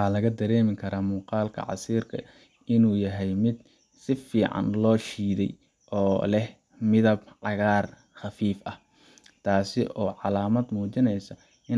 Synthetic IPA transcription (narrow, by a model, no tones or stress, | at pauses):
ħaːlɐɣɐd̪ɐɾɛːmɪkʰɐɾaːmuːqɑːlkʰɐ̰ʕɑ̰siːrkʰɐ̰ | ɪnuːjɐɦɛjmɪd̪̚ | sɪfiːʕɑ̰nlɔːʃiːðɛj | ʔɔːlɛh | mɪðɐbʕɑɣaːr | xɑfiːfɐh | t̪ʰaːsɪʔɔːʕɑlaːmɐd̪muːt͡ʃɪnɛjsɐ | ʔɪn